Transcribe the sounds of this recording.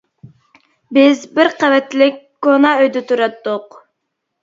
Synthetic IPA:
bɪzbɪɾqævɛt̪lɪk̚ʲkonɑøjd̪ɪt̪ʰuɾɑt̪ːʊq

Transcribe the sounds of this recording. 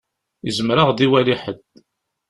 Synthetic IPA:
izəmɾaʁd̪iwæliħəd̪

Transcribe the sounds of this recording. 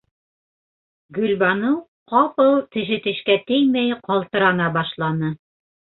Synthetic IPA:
ɡɵ̆lʲbɑnɤw | qɑpɤw̪ˠt̪ɘ̆ʃɘ̆t̪ɘ̆ʃkæt̪ɘjmæjqɑlˠt̪ɤ̆ɾɑnɑbɑʃlˠɑnɤ

